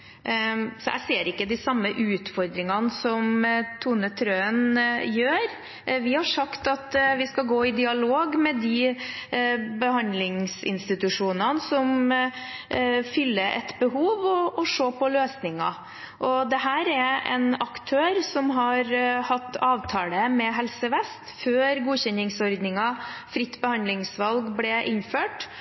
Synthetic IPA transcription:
sɔʔæ̰ɪseːɾɪkːəd̪ɪsɑmːəʔʉːt̪fɔɾd̪ɾɪŋɑnsɔmt̪ʰuːnət̪ʰɾøːənjøːɾ | ʋɪhɑʂɑkt̪ɑt̪ʋɪskɑɡoːɪd̪ɪɑloːɡmɛd̪ɪ | bəɦɑnd̪lɪŋsɪ̰nst̪ɪt̪ʉʂuːnənəsɔm | fʏlːəʔɛ̰t̪bəɦuːʋɔʔɔʂoːpʰɔløːsnɪŋɑ̰ | ʔɔd̪ɛɦæːɾɛɾʔɛ̰nɑkt̪ʰøːɾsɔmɦɑɾhɑt̪ːɑːʋt̪ʰɑːləmɛɦɛlsəʋɛst̪føːɾɡuːçɛnɪŋsɔɾd̪nɪŋɑfɾɪt̪ːbəhɑnd̪lɪŋsʋɑlɡblɛʔɪnføːʈ

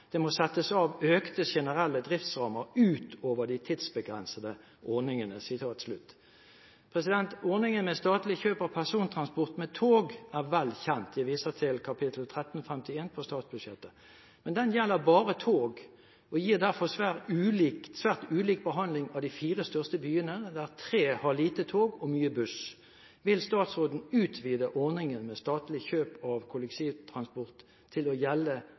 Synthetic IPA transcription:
d̪̥ɛmɔsɛt̪ːəsɑːʋøːkt̪əɕɛnəʁɛlːəd̪ʁɪft̪sʁɑːməɾʉːt̪oːʋəd̪ɪt̪ʰɪd̪sbəɡʁɛ̰nsəd̪ə | ʔɔʁnɪŋənəsɪt̪ʰɑːt̪slʉt̪ː | pʰʁɛsɪd̪ɛnt̪ɔʁnɪŋənmɛst̪ɑːt̪lɪçøːpɑʋpʰæʁsuːnt̪ʰʁɑnspɔʁt̪mɛt̪ʰoːɡæʁʋɛlːçɛnt̪jæʋiːsət̪ʰɪlkʰɑpʰɪt̪ʰl̩t̪ʰʁɛt̪n̩ɔfɛmt̪ɪeːnpʰɔst̪ɑːt̪sbʉd̪ʂjɛt̪ːə | mɛnd̪ɛnjɛlːəʁbɑːʁət̪ʰoːɡ | ɔjiːʁd̪æʁfɔʁsʋæːʁʉːliːksʋæːʁt̪ʉːliːk̚bəɦɑnd̪lɪŋɑʋd̪ɪfiːʁəst̪œʁst̪əbyːənəd̪æʁt̪ʰɾeːhɑʁliːt̪ət̪ʰoːɡɔmyːəbʉs | ʋɪlst̪ɑːt̪sʁoːd̪n̩ʉːt̪ʰʋiːd̪əʔɔʁnɪŋənmɛst̪ɑːt̪lɪçøːpɑʋkʰʊlɛkt̪ʰiːʋt̪ʰʁɑnspɔʁt̪ʰː | ɪlɔjɛlːə

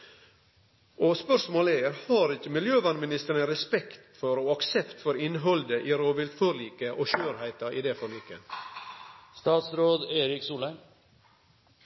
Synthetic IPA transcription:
ʔoːspœʂmoːləeɾhɑːɾɪçəmɪljøːʋɑnmɪnɪst̪əɾɳəɾɛspɛkt̪fɔɾoːɑksɛpt̪fɔɾɪnɦɔld̪əʔiːɾoːʋɪlt̪fɔɾɭiːkəʔoːʃøːɾhæɪt̪ɑʔid̪efɔɭiːkə | st̪ɑːt̪sɾoːd̪eːɾɪksuːlən

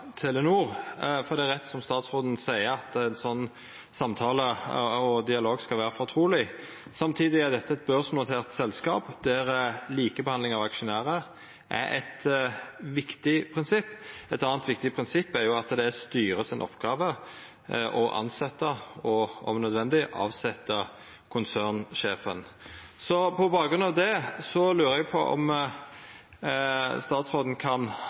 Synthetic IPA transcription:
t̪ʰɪlənuːʁfɔɾd̪ɛæɾʁɛt̪ːsɔmst̪ɑːt̪sʁoːd̪n̩sæɪəɑt̪ænsɔnː | sɑmt̪ʰɑːləɔd̪ɪɑloːɡskɑlʋæːʁəfɔʁt̪ʰɾuːlɪ | sɑmt̪ʰiːd̪ɪæɾd̪ɛt̪ːəɛt̪̚bœʁsnʊt̪ʰeːʁt̪sɛlskɑːpd̪̥æɾliːkəbɛhɑnd̪lɪŋɑʋɑkʂʊnæːʁə | ʔæ̰ɾʔɛ̰t̪ | ʋɪkt̪ɪpʰɾɪnsɪpːɛt̪ɑːnt̪ʋɪkt̪ɪpʰʁɪnsɪpːæɾjʊɑt̪d̪ɛst̪yːɾəsɪnʔɔ̰pːɡ̥ɑːʋə | ʔɔʔɑ̰nsɛt̪ːəɔɔ̰mnœd̪ʋɛnd̪ɪʔɑ̰ːʋsɛt̪ːə | kʰʊnsæːʁnʂeːfə̰nsɔpʰɔbɑːɡʁʉnɑʋd̪ɛsɔlʉːɾəæɡpʰɔʔɔ̰m | st̪ɑːt̪sʁoːd̪n̩kʰɑn

